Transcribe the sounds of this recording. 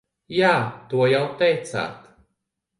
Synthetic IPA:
jaːt̪uɔjawt̪ejt̪sa̰ːt̪

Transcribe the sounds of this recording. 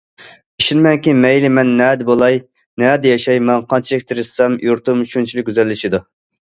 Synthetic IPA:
iʃinmɛŋkʲimɛjlɪmɛnːɛːd̪ɛbolˠɑj | nɛːd̪ɛjɛʃɑjmɛnqʰɑnt͡ʃʰiɪk̚ʲt̪ʰɪɾɪssɛmjuɾt̪umʃunt͡ʃʰilɪk̚ʲɡʲyzɛlːɪʃid̪u

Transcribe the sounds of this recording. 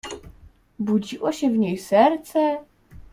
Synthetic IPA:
buɟiʔoɕɛvɲɛjsɛɾt͡sɛ

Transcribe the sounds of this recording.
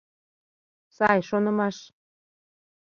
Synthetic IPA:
sɑjʃonɤ̆mɑʃ

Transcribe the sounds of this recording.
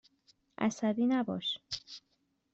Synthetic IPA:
ʔæ̰sæd̪iːnæbɒ̰ːʃ

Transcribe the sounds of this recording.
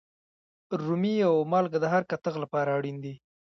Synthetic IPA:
ɾumiawmɑlɡad̪əɦaɾkat̪əɣlapɑɾaːɽind̪i

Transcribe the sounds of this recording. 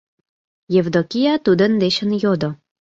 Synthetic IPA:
jevd̪okʲijɑt̪ud̪ə̆nd̪eɕə̆njod̪o

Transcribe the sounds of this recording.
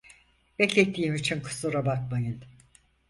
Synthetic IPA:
b̥ɛclʲɛt̪ʰːiːimit͡ʃʰinkʰɯ̥sˠuɾabak̚majɯn

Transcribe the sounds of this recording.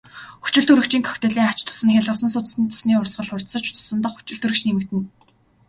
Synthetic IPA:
xu̥t͡ɕɪ̆ɮt̪ʰuɾɘ̆kt͡ɕiːŋkʰœ̥xt̪ɘ̆ɮiːŋat͡ɕt̪ʰʊ̥sɘ̆ŋxʲæɮʁə̆sə̆nsʊt͡s̪̆sniːt̪ʰʊ̥sniːʊrsɢə̆ɮχʊr̥t̪sə̆t͡ɕʊ̥t͡s̪ʊ̥sə̆nt̪ɔ̆χxu̥t͡ɕɪ̆ɮɬt̪ʰɵɾɘ̆kt͡ɕniːmɘ̆kt̪ɘ̆n

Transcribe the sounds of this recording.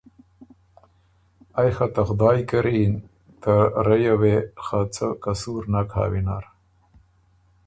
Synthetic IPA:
ajxat̪ɐxʊd̪ɑːjkɐɾin | t̪aɾɐjawexat͡sʰəkɐsuːɾnakʰa̰ːwina̰ɾ

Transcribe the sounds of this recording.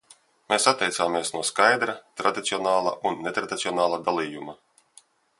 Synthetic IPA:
meːsat̪ʲːɛjt̪saːmeɛsnuɔskajd̪ɾat̪ɾad̪it̪siɔnaːlˠa̰ʔunːet̪ɾad̪ʲit̪siɔnaːlˠad̪alˠiːjuma

